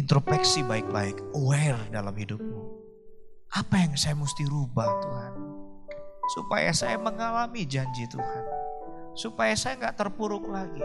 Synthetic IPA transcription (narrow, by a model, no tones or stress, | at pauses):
int̪ɾopɛksibaɪk̚baɪkoɛrdalamhidʊp̚mu | ʔapajaŋsajamust̪iɾubaht̪uɦan | supa̰ja̰sajaməŋalamid͡ʒaɲd͡ʒit̪uhansupajasajaŋɡaʔt̪ərpuɾʊk̚laɡi